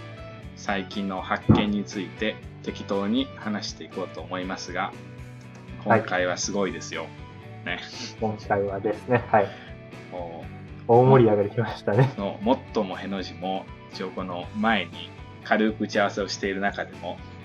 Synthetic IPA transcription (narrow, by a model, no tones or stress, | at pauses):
saikʲĩnːo̞hakːẽ̞ɲ̟ːit͡sɨit̪e̞t̪e̞kʲi̥t̪o̞ːɲ̟ihanaɕi̥t̪e̞iko̞ːt̪o̞ːmo̞imasɨɡa | kʰo̞ŋkaiβ̞asɨɡo̞id̪e̞sɨjo̞ | ne̞kõŋkaiβad̪e̞sɨne̞hai | moː | oːmo̞ɾʲiaɡed̪ekʲimaɕi̥t̪aneno̰mo̞t̪ːo̞mo̞he̞no̞ʑimo̞ | it͡ɕioko̞no̞mae̞ɲ̟i | kʰaɾɯ̟kɯ̟ɯt͡ɕiaβase̞o̞ɕi̥t̪e̞iɾɯ̟nakad̪e̞mo̞